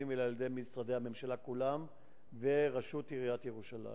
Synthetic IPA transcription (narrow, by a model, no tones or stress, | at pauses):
imvelaled̪ejmisʁad̪ejhame̞mʃalakulam | veʁaʃut̪iʁiat̪jeʁuʃala̰